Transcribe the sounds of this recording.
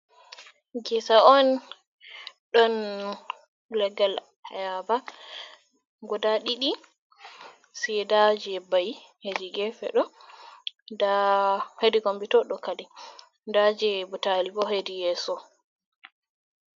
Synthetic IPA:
ɡɛsaɔn | ɗɔn | lɛɡal | hajaba | ɡɔdaɗiɗi | sidad͡ʒɛbaj | hed͡ʒiɡɛfɛ̰ɗɔ | dahedikombitɔɗɔkadɛ | ndad͡ʒɛbutalibɔɦedijɛːsɔ

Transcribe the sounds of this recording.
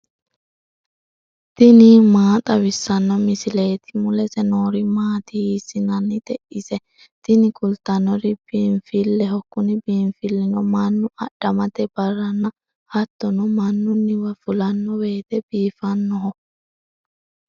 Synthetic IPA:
t̪ɪnɪmaːt̪ʼɐwɪsːɐnːɔmɪsɪleːt̪ɪ̥mʊlɛsɛnoːɾimaːt̪ihiːsɪnɐnːɪd̪ɛʔɪsɛ | t̪ɪnɪkʼʊlt̪ɐnːɔɾɪb̥iːmfɪlːɛhɔkːʊnɪbiːɱfɪlːɪnɔmɐnːʊʔɐ̰ɗɐmɐt̪ɛb̥ɐrːɐnːɐ | hɐt̪ːɔnɔmɐnːʊnːɪwɐfʊlɐnːɔwe̞ːt̪ɛb̥iːfɐnːɔɦɔ

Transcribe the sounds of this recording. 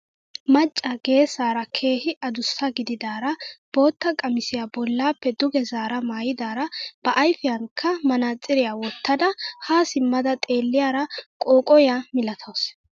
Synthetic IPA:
mɐt͡ʃʼːɐɡe̞ːsaːɾɐkʰe̞ːhɪʔɐd̪ʊsːɐɡɪd̪ɪd̪aːɾɐb̥o̞ːt̪ːɐkʼɐmɪsɪjabɔlːaːpːɛd̪ʊɡɛzaːɾɐmaːjɪd̪aːɾɐb̥ɐʔɐjfɪjɐŋkʰːɐmɐnaːt͡sʼːɪɾɪjaːwɔt̪ːɐd̪ɐhaːsɪmːɐd̪ɐt̪ʼe̞ːlːɪjaːɾɐkʼoːkʼɔjamɪlɐt̪ʰoːs

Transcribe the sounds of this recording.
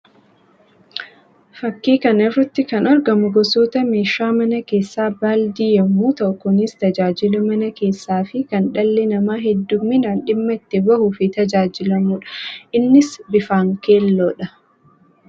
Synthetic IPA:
fɐkːiːkɐnɛrːɐt̪ːɪkɐnɐɾɡɐmʊɡɔsoːt̪ɐmeːʃaːmɐnɐke̞ːsːaːbaːld̪iːjɐmːuːt̪ɐʔkːɔnist̪ɐd͡ʒaːd͡ʒɪlʊmɐnɐke̞ːsːaːfɪkɐnᶑɐlːɛnɐmaːɦɛd̪ːʊmːɪnaːnᶑɪmːɐɪt̪ːɪbɐhuːfɪt̪ɐd͡ʒaːd͡ʒɪlɐmuːᶑɐ̥ʔɪnːɪsbɪfaːŋkeːlːoːᶑɐ

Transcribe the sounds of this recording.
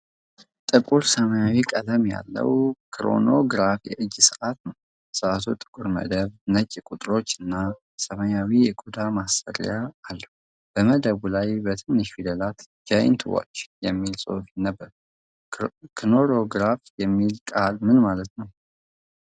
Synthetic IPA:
t̪ʼɨkʼuɾsəməjawikʼəd̪əmja̰lːə̰wkʰɾo̞̰no̞ɡɨɾafjɛ̰ʔɨd͡ʒːsɨʔat̪nəw | sɨʔat̪ʰut̪ʼɨ̥kʼuɾmə̰d̪əβnət͡ʃʼkʼut̪ʼɾo̞t͡ʃːɨnːa | səməjawijɛkʼud̪amasfə̰ɾjaːlːəhu | b̥əməd̪əβulajbət̪ʰɨnːɨʃfid̪əlat̪ | d͡ʒaj̰nt̪ʰɨwo̰t͡ʃːjɛmːilsʼo̰fnːəbːəɾ | kʰno̞ɾo̞ɡɾafjɛmːilkʼalmɨnmalət̪nəw

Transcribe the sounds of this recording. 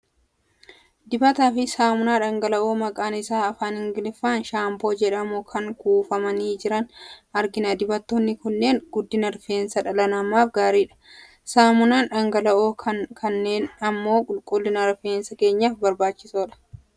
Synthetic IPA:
d̪ɪbɐt̪aːfɪsaːmʊnaːᶑɐŋɡɐlɐʔoːmɐkʼaːnɪsaːɐfaːnhɪŋɡɪlɪfaːnʃaːmbo̞ːd͡ʒɛᶑɐmʊkʰɐŋkuːfɐmɐniːd͡ʒɪɾɐnɐɾɡɪnɐd̪ɪbɐt̪ːɔnːɪkʊnːe̞ːŋɡʊd̪ːɪnɐɾfe̞ːnsɐᶑɐlɐnɐmaːfɡaːɾiːᶑɐ̥ | saːmʊnaːnᶑɐŋɡɐlɐʔoːkʰɐnːe̞ːnɐmːo̞ːkʼʊlkʼʊlːɪnɐɾfeːnsɐke̞ːɲːaːfbɐɾbaːt͡ʃːɪsoːᶑɐ̥

